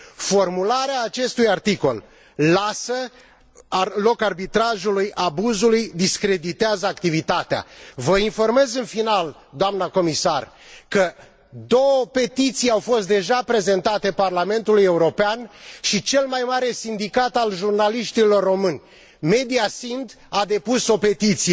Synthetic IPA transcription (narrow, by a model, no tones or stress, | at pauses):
fo̞rmulaɾeaːt͡ʃe̞st̪ujart̪iko̞l | lasə | lo̞karbit̪ɾaʒulujʔabuzulujd̪iskɾe̞d̪it̪eazəakt̪ivit̪at̪ea̰vəinfo̞rme̞zɨnfinal | d̪oamnəko̞misar | kə | d̪o̞wəpe̞t̪it̪sijawfo̞st̪̚d̪e̞ʒapɾe̞ze̞nt̪at̪e̞parlame̞nt̪uluje̞uɾo̞peanʃit͡ʃe̞lmajmaɾe̞sind̪ikat̪alʒurnaliʃt̪ilo̞rːo̞mɨnʲ | me̞d̪iasind̪ | ad̪e̞puso̞pe̞t̪it̪sije